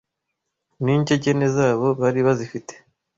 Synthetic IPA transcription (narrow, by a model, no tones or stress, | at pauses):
niːɲɟeɟe̞ne̞zaːβo̞βaɾiβazifite̥